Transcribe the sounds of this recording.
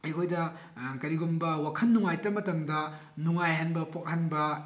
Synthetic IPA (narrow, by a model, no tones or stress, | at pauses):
ɐjkʰojdɐ | kɐɾiɡumbɐwakʰɐnːuŋajtɐmɐtɐmdɐ | nuŋajɦɐnbɐpok̚hanbɐ